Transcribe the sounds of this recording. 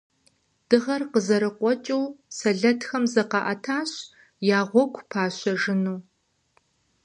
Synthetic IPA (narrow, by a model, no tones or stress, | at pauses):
d̥ɨʁɐrqəzɐɾɨqʷɔt͡ʃʼuwsɐɮɐtxɐmzɐqɑʔɐtʰaːɕ | jaːʁʷɔkʷʰʼpʰaːɕɐʒɨnuː